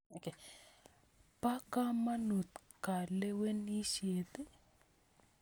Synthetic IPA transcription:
o˨ke˨ | pa˦ka˦ma˦nu˨t̪ | ka˨le˦we˦ni˦ʃe˨t̪e˦

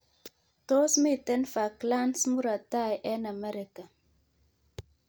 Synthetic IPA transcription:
to˦smi˦˨tɛ˦nfa˨kla˦nsmu˦ɾa˨ta˦˨jʔɛ˦na˨mɛ˦ɾɪ˨ka˨

